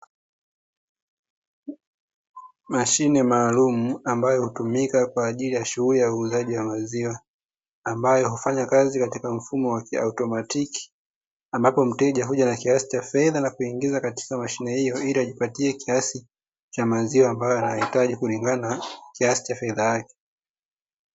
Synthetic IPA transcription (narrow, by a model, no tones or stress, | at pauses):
maʃinɛmaːlumuambajɔhutumikakwaːʄilijaʃuɣulijauːzaʄiwamaziwaː | mbajɔɦufaɲakazikatikam̩fumɔwakia̰utɔmatiki̥ | ambapɔm̩tɛʄaɦuʄanakiasi̥t͡ʃafɛðanakuiŋɡizakati̥kamaʃinɛhijɔiliaʄipatiɛkiasi | t͡ʃamaziwaːmbajɔanahitaʄikuliŋɡanakiasi̥t͡ʃafɛðajakɛ̥